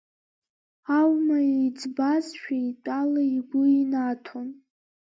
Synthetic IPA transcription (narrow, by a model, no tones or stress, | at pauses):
awmaed͡zbazʃᶣaitʼalaiɡʷʊinatʰon